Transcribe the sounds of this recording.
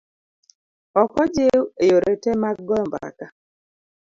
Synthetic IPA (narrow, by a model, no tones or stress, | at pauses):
ɔkɔd͡ʒewejoɾetemak̚ɡɔɔmbɾa̰ka